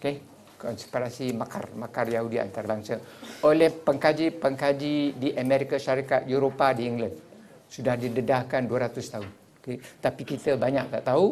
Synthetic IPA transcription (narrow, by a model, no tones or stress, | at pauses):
oke | kɔnspiɾasimaka̰rmakarjaɦudia̰nt̪aɾəbaŋsaʔolɛhpəŋkad͡ʒipəŋkad͡ʒidiʔamɛɾikaʃaɾikat̪̚juɾopadiiŋɡlan | sudahdidədahkanduəɾat̪ʊst̪aʊn | oket̪apikit̪əbaɲak̚t̪aʔt̪au